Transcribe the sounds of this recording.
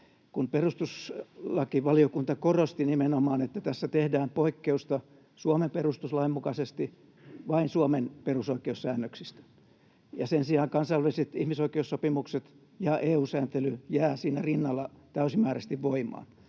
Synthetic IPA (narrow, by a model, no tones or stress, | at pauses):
kunperust̪uslɑkiʋɑliokunt̪ɑkorost̪inimenomɑːnet̪ːæt̪æsːæt̪ehdæːmpoikːeust̪ɑ | suomemperust̪uslɑimmukɑsest̪i | ʋɑinsuomenperusoikeussæːnːøksist̪æ̥ | jɑsensiɑːŋkɑnsɑiʋæliset̪ihmisoikˑeussopimukset̪ | jɑʔeːuːsæːnt̪elyjæːsiːnærinːɑlːɑt̪æysimæːɾæst̪iʋʋoimɑ̰ːn